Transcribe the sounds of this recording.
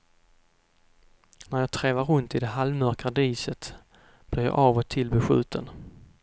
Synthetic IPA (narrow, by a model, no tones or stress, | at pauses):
næɾjɑːt̪ʰɾɛːvaɾɵnt̪ɪd̪ɛɦalmœɾkad̪iːsət̪ | b̥lɪɾjɑ̰ːʔɑːvɔt̪ʰɪlbɛɧʉ̟̰ːt̪ʰən